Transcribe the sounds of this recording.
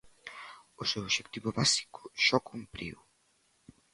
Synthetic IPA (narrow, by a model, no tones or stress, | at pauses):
ʊsewoʃekt̪iβʊβasi̥kʊ̥ʃɔkumpɾḭw